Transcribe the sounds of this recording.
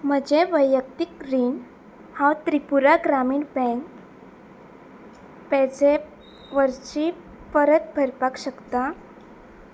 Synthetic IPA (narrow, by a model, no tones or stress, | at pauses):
m̤əd͡ʑeʋəjəkt̪ikɾiːn | hawt̪ɾipuɾaɡɾamiːɳbɛ̃ŋk | pɛd͡ze | ʋəɾɕi | pəɾət̪̚bʱəɾpakɕəkt̪a